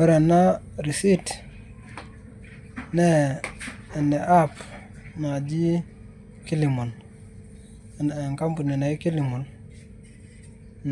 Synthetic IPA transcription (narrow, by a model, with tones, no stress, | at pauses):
wɛ˦ɾa˨na˦ɾi˨si˦t | nɛː˦˨ | nɛ˨ʔa˦pma˨d͡ʒi˦ | ki˦li˨mu˨n˨ | n˨ŋka˦mpu˨ni˨na˨i˦ki˦li˨mu˨n